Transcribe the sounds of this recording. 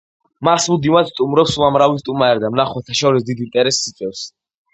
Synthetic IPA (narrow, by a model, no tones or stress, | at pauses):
masmud̪imad̪st̪ʼumɾɛpsuamɾavist̪ʼumaɛɾd̪amnaχwɛt̪ʰaʃɔɾis̬d̪id̪it̪ʼɛɾɛsːit̪sʼwɛfs